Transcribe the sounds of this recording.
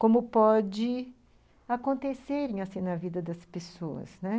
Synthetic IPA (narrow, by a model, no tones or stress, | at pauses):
kõmʊpɔd͡ʒɪ | akõnt̪eseɾẽasĩnɐvid̪ɐd̪ɐspesoɐ̰snɛ